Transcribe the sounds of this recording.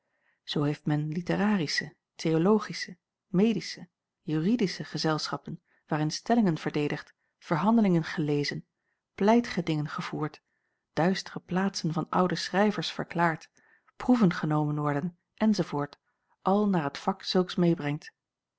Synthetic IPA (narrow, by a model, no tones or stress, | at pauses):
z̥owɦejftmɛnlitəraːrisə | tʰejolowχisə | mejdisə | jyːridisəχəzɛlˠsχɑpən | ʋaːɾɪnstɛlɪŋənv̥əɹdejdəχt | v̥əɹɦɑndəlɪŋənχəlejzən | plɛjtə̥χədɪŋənχəv̥uːɹt | d̥œɥstərəplaːtsənvɑnʌ̰wdəsrɛjvəɹsfə̰ɹklaːɹt | pruvənχənowmənʋɔɹdən | ʔɛnzovoːɹt | ʔɑlˠnaːɹɦətfɑksɵlˠksmejbrɛŋt